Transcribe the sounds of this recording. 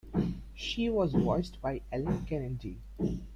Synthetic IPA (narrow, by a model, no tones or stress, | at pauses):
ʃiːʋɔːzwɔsʈbaɪɛlə̃nkɛnɛʈi